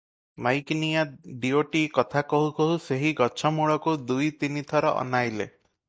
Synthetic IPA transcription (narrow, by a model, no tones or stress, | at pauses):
majknijaɖioʈikɔt̪ʰakɔɦukɔɦuseɦiɡɔt͡ʃʰɔmuɭɔkud̪ujt̪init̪ʰɔɾɔ̰ʔɔ̰najlḛ